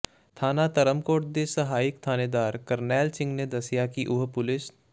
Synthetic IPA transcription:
t̪ʰaːnat̪ɐɾəmkoːʈ̚d̪esɐɦaːɪkt̪ʰaːned̪aːɾkəɾnɛːlsɪ̃ŋɡned̪ɐsjakiʔʊɦpʊlɪs

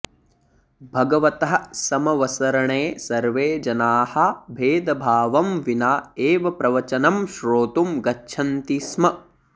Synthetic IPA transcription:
bʱɐɡɐʋɐt̪ɐɦɐ̆sɐmɐʋɐsɐɾɐɳeːsɐɾʋeːd͡ʒɐnaːhɐbʱeːd̪ɐbʱaːʋɐmʋinaːeːʋɐpɾɐʋɐt͡ʃɐnɐmʃɾoːt̪umɡɐtːʃʰɐnt̪iːsmɐ

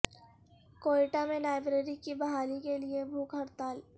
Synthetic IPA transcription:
koːiʈamẽlaːɪbɾeːɾikibɐɦaːlikeliebʱuːkɦɐɾt̪aːl

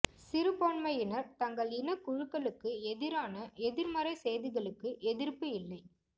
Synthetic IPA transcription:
sɪɾɯpoːɳmɐjɪnɐɾt̪ɐŋɡɐɭɪnɐkʊɻɯkːɐɭɯkːɯɛðɪɾaːnɐɛðɪɾmɐɾɐɪsɛjðɪɣɐɭɯkːɯʔɛðɪɾpɯɪlːɐɪ

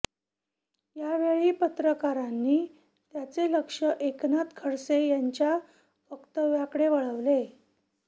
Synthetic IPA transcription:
jaʋeɭipət̪ɾəkaɾanːiː | t̪jat͡seləkʂəʔeknat̪kʰəɽsejaɲt͡ɕja | fəkt̪əʋjakəɽeʋəɭəʋle

